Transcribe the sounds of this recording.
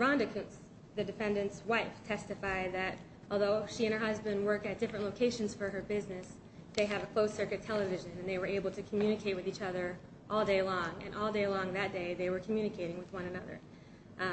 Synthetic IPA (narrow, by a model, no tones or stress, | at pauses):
ɹɑ̃ndɨkʰɨ̃ns | ðɨdɨfɛ̃ndɨ̃ntswaɪftʰɛstɨfaɪd̪̚ðɨɾ | ʔɔlˠðoʊʃiɨ̃nə˞hʌzbɨ̃nd̚wɜ˞k̚tɨt̚d̥ɪfɹɨ̃nʔloʊkʰeɪʃɨ̃nz̥fə˞ə˞bɪznɨs | ðeɪɨvəkʰl̥oʊsɜ˞kɨtʰɛlˠəvɪʒɨ̃nɨ̃nðeɪwə˞eɪbl̩ˠtʰɨkʰm̩jʉnɨkʰeɪt̚wɨðit͡ʃʌðə˞ | ʔɔlˠdeɪlɔ̃ŋɨ̰̃nʔɔlˠdeɪlɔ̃ŋðɨt̚d̥eɪðeɪwə˞kʰmjʉnɨkʰeɪɾɪ̃ŋwɨðwʌ̃ñɨnʌðə̰˞